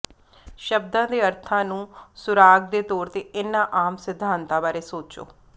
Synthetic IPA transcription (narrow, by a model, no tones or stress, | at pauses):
ʃəb̚d̪ãːd̪eːəɾt̪ʰãːnũːsʊɾaːɡ̚d̪eːt̪ɔːɾt̪eːɪnːãːʔaːmsɪd̪ʱːãːnt̪aːbaːɾeːsoːt͡ʃo̰ː